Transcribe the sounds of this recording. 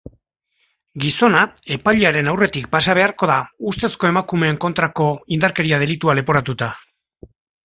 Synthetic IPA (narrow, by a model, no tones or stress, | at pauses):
ɡiso̞nae̞paʎiaɾe̞nawre̞t̪ik̚pasaβ̞e̞aɾko̞ðaust̪e̞sko̞e̞makume̞ːŋko̞nt̪ɾako̞ind̪aɾke̞ɾiað̞e̞lit̪uale̞po̞ɾat̪ut̪a